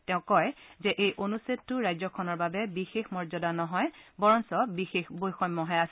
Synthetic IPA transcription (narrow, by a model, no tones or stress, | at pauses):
tɛʊ̃kɔjzɛʔejʔonusetːʊɹajzɔkʰɔnɔɹbabɛbixexmɔɹzɔdanɔɦɔjbɔɹɔnsɔbixexbojxɔmːɔɦɛas